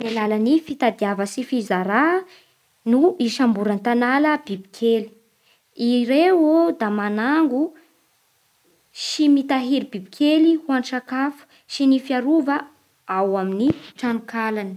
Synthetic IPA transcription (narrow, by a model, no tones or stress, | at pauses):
melalanifit̪ad̪iavəsifizaɾa | nuiʃambuɾant̪analəb̥ibi̥kʰeli̥ | iɾeod̪amanaŋɡu | ʃimit̪aɦiɾibibikʰelihuanʈ͡ʂakafu̥ | ʃinifiaɾuvə | awaminiʈ͡ʂanukalani̥